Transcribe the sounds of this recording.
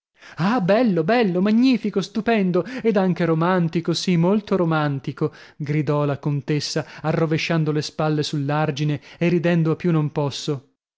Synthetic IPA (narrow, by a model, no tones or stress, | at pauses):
aːbɛlːobɛlːomaɲːiːfikost̪upɛnd̪oed̪aŋk̟eɾomant̪ikosimolt̪oɾomant̪iko | ɡɾid̪ɔlakont̪esːaarːoveʃːand̪olespalːesulːard͡ʒineerːid̪ɛnd̪oapjunompɔsːo